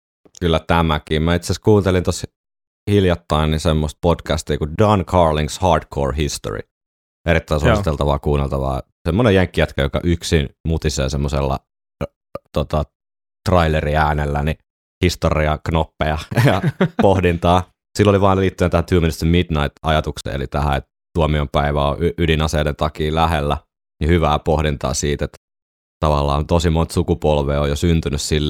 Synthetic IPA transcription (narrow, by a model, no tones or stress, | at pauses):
kylːæt̪æmækiːmmæit̪seˑskuːnt̪elint̪os | hiljɑt̪ːɑinːisemːost̪̚podkæst̪iːkudɑnkʰɑːrliŋshɑːrdkʰo̰ːɹhist̪o̰rḭ | eɾit̪ːæˑinsuost̪elt̪ɑʋɑ̰ːkuːnːelt̪ɑʋɑ̰ː | semːonejeŋkːijæt̪kæjokɑ̰ʔyksinmut̪isḛːsemːosḛlːɑ̰ | t̪ot̪ɑ | t̪rɑileriæːnelːæni | hist̪oriɑknopːeɑjɑpohdint̪ɑː | silːoliʋɑːnliːt̪ːyent̪æhænt̪yømenist̪ømmid̪nɑit̪ɑjɑt̪uksḛːḛlit̪æhæ̰et̪ | t̪uomiompæiʋæoʔyʔydinɑseident̪ɑkiːlæhelːæ | nihyʋæːpohdint̪ɑ̰ːsiːt̪et̪ | t̪ɑʋɑlːɑ̰ːnt̪osimont̪sukupolʋeːojosynt̪ynyssilː